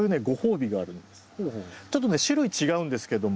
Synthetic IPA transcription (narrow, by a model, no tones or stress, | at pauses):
jɯ̟ne̞ɡo̞ho̞ːbʲiɡaːɾɯ̟̃nd̪esɨ̥t͡ɕo̞t̪ːone̞ɕiɾoit͡ɕiɡaɯ̟̃nd̪e̞sɨ̥ke̞d̪o̞m